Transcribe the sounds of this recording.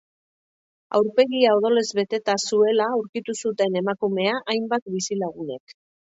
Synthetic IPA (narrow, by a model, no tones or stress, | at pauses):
a̰wɾpe̞ɣiaoð̞o̞le̞zβe̞t̪e̞t̪asue̞lauɾkit̪usut̪e̞ne̞makume̞aʔajmbat̪bisilaɣ̞une̞̰k